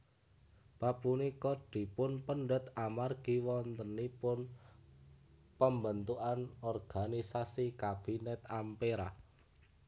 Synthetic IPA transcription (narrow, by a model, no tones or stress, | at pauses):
papunikɔɖ̪̥i̤pʊnpəɳɖət̪amarɡ̥iwɔnt̪ənipʊn | pəmbənt̪uʔanɔrɡ̥anisasikab̥i̤nɛt̪ampeɾa